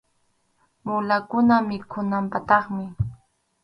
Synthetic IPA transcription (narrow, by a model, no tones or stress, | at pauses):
mʊlakʊnamɪkʰʊnampat̪ɑχmɪ